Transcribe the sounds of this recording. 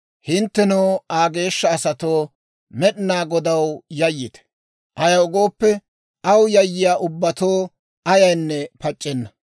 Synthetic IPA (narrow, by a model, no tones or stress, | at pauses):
hɪnt̪ːɛnoːaːɡe̞ːʃːɐːsɐt̪o̞ː | mɛɗɪnaːɡɔd̪ɐwjɐjːɪt̪ɛ̥ | ʔɐjɐʊɡo̞ːpːɛ | ʔɐwjɐjːɪjaːʔʊbːɐt̪oː | ɐjɐjnːɛpɐt͡ʃʼːɛnːɐ